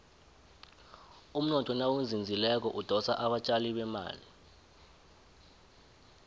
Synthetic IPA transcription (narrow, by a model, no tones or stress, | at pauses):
um̩nɔtʰɔnawund͡zʱind͡zʱilɛk̬ɔʔud̥ʱɔsaʔaɓat͡ʃʼaliɓɛma̰ːli